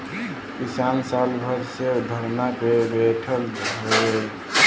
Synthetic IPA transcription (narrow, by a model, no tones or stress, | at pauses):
kisansalbʱəɾsed̪ʱəɽnakebeʈʰəlde